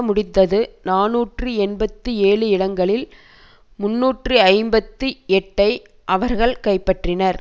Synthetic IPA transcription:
mʊɽɪt̪ːɐðɯnaːnuːʈrɯɛnbɐt̪ːɯeːɭɯɪɽɐŋɡɐɭɪl | mʊnːuːʈrɯɐɪmbɐt̪ːɯɛʈːɐɪ | ʔɐʋɐɾɣɐɭkɐɪpːɐʈrɪnɐɾ

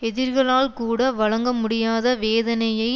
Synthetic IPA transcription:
ɛðɪɾɣɐɭaːlkuːɽɐʋɐɻɐŋɡɐmʊɽɪjaːðɐʋeːðɐnɐjɐɪ

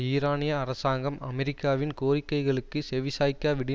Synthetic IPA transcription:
iːɾaːnɪjɐːɾɐsaːŋɡɐmɐmɛɾɪkːaːʋɪnkoːrɪkːɐɪɣɐɭɯkːɯsɛʋɪsaːjkːaːʋɪɽɪ

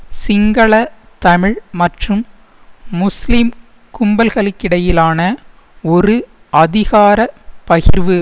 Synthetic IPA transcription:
sɪŋɡɐɭɐ | t̪ɐmɪɻmɐʈrɯmː | ʊslɪm | kʊmbɐlɣɐɭɪkːɪɽɐjɪlaːnɐ | ɔɾɯ | ɐðɪɣaːɾɐpɐɣɪɾʋɯ

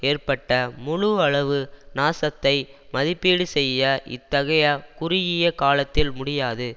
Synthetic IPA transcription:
eːrpɐʈːɐmʊɻʊɐɭɐʋɯnaːsɐt̪ːɐɪmɐðɪpːeːɽɯsɛjːɐʔɪ̰t̪ːɐɣɐjɐkʊɾɪjɪjɐkaːlɐt̪ːɪlmʊɽɪjaːðɯ

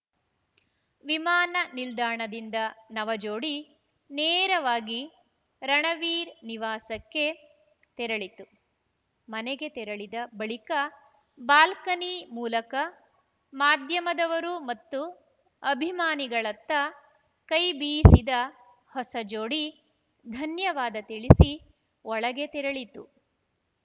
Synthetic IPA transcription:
ʋimaːnɐnild̪aːɳɐd̪ind̪ɐnɐʋɐd͡ʒoːɽi | neːɾɐʋaːɡi | ɾɐɳɐʋiːɾniʋaːsɐkːe̞ | t̪ɛɾɐɭit̪u | mɐneɡe̞t̪ɛɾɐɭid̪ɐbɐɭikɐ | baːlkɐnimuːlɐkɐ | maːd̪ʱjɐmɐd̪ɐʋɐɾumɐt̪ːu | ɐbʱimaːniɡɐɭɐt̪ːɐ | kɐjbiːsid̪ɐ | hɔsɐd͡ʒoːɽi | d̪ʱɐnjɐʋaːd̪ɐt̪iɭisi | ɔɭɐɡe̞t̪ɛɾɐɭit̪u

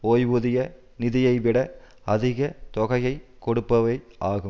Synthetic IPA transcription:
oːjʋuðɪjɐ | nɪðɪjɐɪʋɪɽɐ | ɐðɪɣɐt̪ɔɣɐjɐɪkːɔɽɯpːɐʋɐɪʔaːɣɯm

